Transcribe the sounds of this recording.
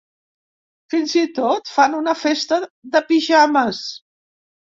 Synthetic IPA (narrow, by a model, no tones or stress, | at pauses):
finzit̪ot̪fanunəfest̪əðəpiʒaməs